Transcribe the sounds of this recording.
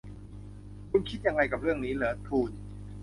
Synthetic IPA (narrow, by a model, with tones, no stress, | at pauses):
kʰu˧nkʰi˦˥t̪̚ja˧ŋːa˧jka˨˩p̚ɾɯ˥˩əŋniː˦˥lɯː˩˦t̪ʰuː˧n